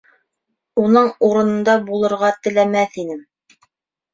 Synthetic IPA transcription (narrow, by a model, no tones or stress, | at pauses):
unɤɴuɾɤ̆nɤ̆nd̪ɑbulˠɤ̆ɾʁɑt̪ɘ̆læmæθinɘm